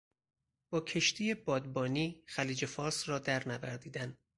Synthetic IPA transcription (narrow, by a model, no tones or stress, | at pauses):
b̥ɒːcʰe̞ʃt̪ʰije̞bɒːd̪bɒːniːxæliːd͡ʒe̞fɒːɾsɾɒːd̪æɾnæbæ̰ɾd̪iːd̪æn